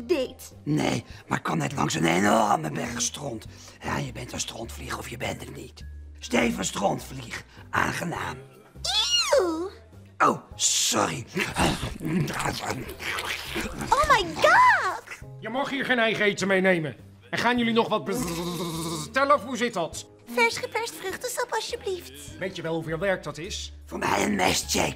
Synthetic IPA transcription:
dɪt | nḛjma̰ːɹkɑnɛtlɑ̰ŋsənenɔrməbɛɹχstrɔnt | ja̰jəbɛntənstrɔntfliχəɔfjəbɛ̰ntətnitstejvənstrɔntfliχʔa̰ːŋχəna̰ːm | i | owsɔri | owmajɡɑdjəmɑχiːɹχejnɛjχəejtəmejnejmə | ɛnχaːnjɵlinɔχʋɑt̚bə | tɛləɔfɦuzɪtɑt | fɛɹsχəplɛstfrɵχtəsɔpɑʃjəbliftʋejtjəʋɛlˠɦuvɪːlˠʋɛɹk̚dɑtɪsvʊːɹmɛ̰jə̰nmɛ̰stə̰

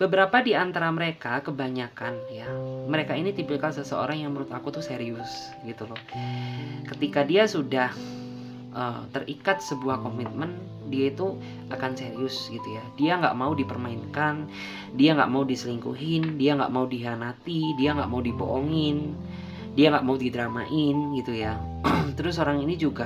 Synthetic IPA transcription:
b̥əbəɾapadiant̪aɾaməɾekakəbaɲakanjaməɾekainit̪ipɪlkansəsəo̰ɾaŋjaŋməɾʊt̪akut̪useɾiʊs | ɡit̪ulɔh | kət̪ikadiasudah | ət̪ərikat̪̚səbuahkomit̪̚mən | diait̪u | ʔakanseɾiʊsɡit̪ujadiaŋɡa̰ʔmaudipərmaɪnkan | diaŋɡa̰ʔmaudisəliŋkṵɦɪndiaŋɡa̰ʔmaudiɦanat̪idiaŋɡa̰ʔmaudibo̰ʔoŋɪn | diaŋɡaʔmaudidɾama̰ʔɪnɡit̪ujat̪əɾʊs̬oɾaŋinid͡ʒuɡa

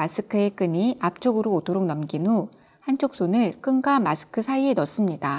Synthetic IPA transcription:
as͈ʰɯkʰɯek͈ɯɲiap̚t͡ɕ͈oɡɯɾoːdoɾok̚nʌmɡinu | hant͡ɕʰok̚s͈onɯɭk͈ɯnɡamasʰɯ̥kʰɯsʰaienʌs͈ɯmɲida

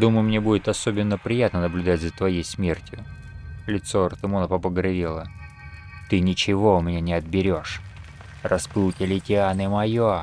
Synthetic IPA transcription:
d̪uməjʊmnʲebudʲɪt̪ɐso̞bʲɪnːəpɾʲɪjat̪nənəblʲʉd̪atʲzət̪vɐjejsmʲe̞rtʲjʊ | lʲɪt̪soɐrt̪ɨmonəpəpəɡɾɐvʲilˠə | t̪ɨnʲɪt͡ɕɪvo̞ʊmʲɪnʲanʲɪɐd̪̚bʲɪɾʲo̞ʂ | rʔɐsplutʲɪlʲɪtʲɪanɨmɐjo

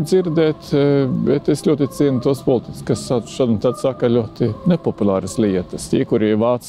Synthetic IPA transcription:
d̪ziɾd̪ɛːt̪bɛt̪eslʲuɔt̪it̪siɛnʊt̪uɔspɔlˠt̪i̥t̪ʲskassḁʃaːd̪nt̪ad̪sakɐlʲuɔt̪inepɔpulˠɑːɾəslʲiɛt̪əst̪ʲḭːkuɾiʋɑːt̪s

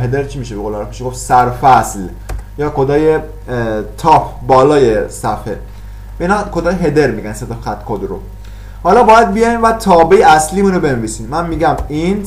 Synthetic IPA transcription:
ɦed̪eɾt͡ʃʰiːmiʃeboɣolːɾɛfmiʃeɡofsæɾfæsl | jɒːkʰod̪ɒːje | t̪ʰɒːpʰbɒːlɒːjesæfe | inɒkʰod̪ɒːjeɦe̞d̪eɾmiːɡænset̪ɔfxæt̪kʰod̪ɾo̰ | hɒːlɒːbɒːjæd̪̚bijɒːinvæt̪ʰɒːbejeæsliːmuːnobe̞nviːsiːnmænmiːɡæmin

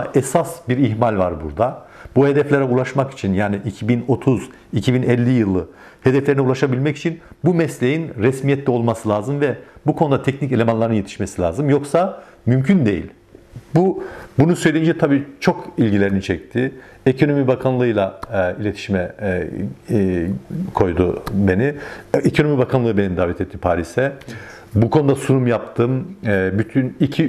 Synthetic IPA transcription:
ɛsasbiɾiçmalʲvaɾbṵɾd̪a | buhed̪ɛflʲeɾɛulˠaʃmaki̥t͡ʃʰinjaːniʔicʰibino̞t̪ʰuz | icʰibinɛlʲːijɯlˠːɯ | he̞d̪ɛflʲeɾinɛulˠaʃabilʲmɛci̥t͡ʃʰinbumɛslʲejinɾɛsmijɛt̪lʲɛo̞lˠmasɯlʲˠaːzɯmvɛbukʰo̞nud̪at̪ʰɛcnice̞lʲe̞manlˠaɾɯnje̞t̪ʰi̥ʃme̞silʲa̰ːzɯmjo̞ksa | mymcʰynd̪e̞jḭlʲ | bubunusø̞jlʲeind͡ʒɛt̪ʰabiːt͡ʃʰo̞kʰilʲɟilʲe̞ɾinit͡ʃʰɛc̚t̪ʰɪ | ekʰo̞no̞mibakʰanlˠɯɯjlˠailʲet̪ʰi̥ʃimɛ | kʰo̞jd̪ube̞niekʰo̞no̞mibakʰanlˠɯbenid̪aːvɛt̪ʰɛt̪ʰːipʰaːɾisɛ | bukʰo̞nud̪asunumjap̚t̪ʰɯmbyt̪ʰynicʰi

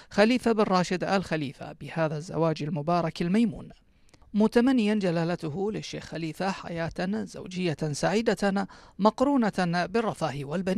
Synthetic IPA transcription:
xaliːfabɪrˤːɑːʃɪd̪a̰lxaliːfa̰bɪhaːðazːa̰waːd͡ʒalmʊbɑːɾˤɑkalmajmṵːn | mʊt̪amanːɪjand͡ʒalaːlat̪ʊɦʊlɪʃːeːxxaliːfaħa̰jaːt̪z̥a̰wd͡ʒɪjːasaʕiːd̪amɑqɾuːnabɪrˤːɑfaːhɪwalbanː

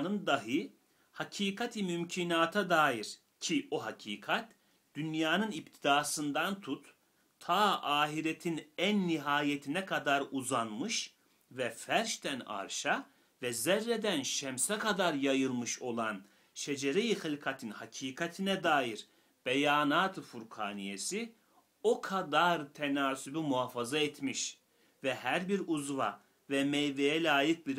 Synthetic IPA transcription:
nɯnd̪aɦɯ | hacʰiːkʰat̪ʰimymcʰinaːt̪ʰad̪aːjiɾ | cʰioɦacʰiːkʰat̪ | d̪̥ynjaːnɯnip̚t̪ʰid̪aːsɯnd̪ant̪ʰut̪ːʰ | aːʔaːɦiɾet̪ʰinænːiɦaːjet̪ʰinɛkʰad̪aɾuzanmɯʃ | vɛfæɾʃt̪æna̰ɾʃa | vɛzɛɾːed̪ænʃɛmsɛkʰad̪aɾjajɯlˠmɯʃo̞lˠan | ʃed͡ʒeɾejixɯlʲkʰat̪ʰinhacʰiːkʰat̪ʰinɛd̪aːjiɾ | b̥ejaːnaːt̪ʰɯfuɾkʰaːnijesi | o̞kʰad̪aɾt̪ʰenaːsybimuaːfazaet̪miʃ | vɛhæɾbiɾuzva̰ | vɛmejvejɛlʲaːjɯk̚biɾ

